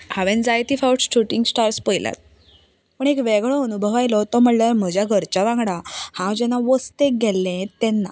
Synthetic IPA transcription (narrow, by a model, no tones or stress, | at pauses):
haʋẽnd͡zajt̪ifawʈsʈuʈiŋɡsʈaɾspəjla̰t̪̚ | pəɳekʋeɡɭɔənubʱəʋajlɔt̪ɔm̤əʈlaɾm̤əd͡ʑjaɡʱəɾt͡ɕaʋãŋɡɽahãwd͡ʑɛnaʋəst̪ek̚ɡɛlːɛ̃t̪ɛnːa